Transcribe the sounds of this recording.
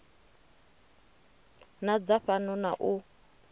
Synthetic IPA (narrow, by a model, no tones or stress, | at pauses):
nad͡zaɸanɔnaʔu